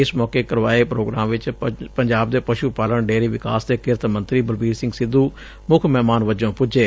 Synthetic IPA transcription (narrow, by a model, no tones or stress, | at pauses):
ɪsmɔːkeːkəɾʋa̰ːepɾoːɡɾaːmʋɪt͡ʃpəɲd͡ʒaːb̚d̪eːpəʃuːpaːləɳɖeːɾiːʋɪka̰ːsd̪eːkɪɾt̪mə̃nt̪ɾiːbəlbiːɾsɪ̃ŋɡsɪd̪ːuː | mʊkʰmɛːmaːnʋəd͡ʒõːpʊd͡ʒeː